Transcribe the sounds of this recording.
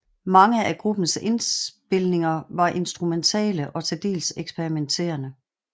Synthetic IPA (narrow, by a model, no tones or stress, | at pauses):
mɑ̈ŋəæɡ̥ʁub̥n̩se̝nsb̥e̝lne̝ŋɐʋɑ̈ʔe̝nsd̥ʁument͡sʰɛ̰ːləʔɒ̽t͡sʰed̥e̝̰ːlseɡ̥sb̥eʁiment͡sʰe̝̰ːɐnə